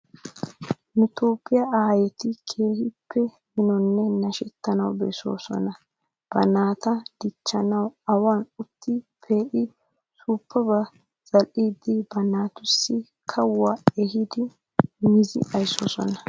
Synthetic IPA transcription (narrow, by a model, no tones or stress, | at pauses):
nʊt̪o̞ːpʼːɪjɐaːjɛt̪ɪkʰe̞ːhɪpʰːɛ | mɪnɔnːɛnɐʃɛt̪ːɐnɐwbɛso̞̰ːsɔ̰nɐ | b̥ɐnaːt̪ɐd̪̥ɪt͡ʃːɐnɐwɐwaːnʊt̪ːɪpʰeːʔɪ | suːpʰːɐbɐ | z̥ɐlʔiːd̪ɪbɐnaːt̪ʊsːɪ | kʰɐwːaːɛɦɪd̪ɪ | mɪzɪ̰ɐjso̰ːsɔ̰nɐ